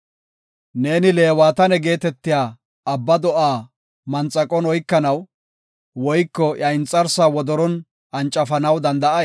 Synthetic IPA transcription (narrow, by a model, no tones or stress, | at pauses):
ne̞ːnɪle̞ːwaːt̪ɐnɛɡe̞ːt̪ɛt̪ːɪjaː | ɐbːɐd̪ɔʔaː | mɐnt͡sʼːɐkʼɔnɔjkːɐnɐw | wɔjkːɔʔjɐɪnt͡sʼːɐɾsaːwɔd̪ɔɾɔn | ɐnt͡ʃʼːɐfɐnɐwd̪ɐnd̪ɐʔɐ